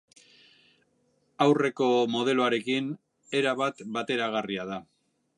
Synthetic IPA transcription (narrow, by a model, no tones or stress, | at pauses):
awre̞ko̞mo̞ðe̞loaɾe̞kin | e̞ɾaβat̪bat̪e̞ɾaɣ̞ariað̞a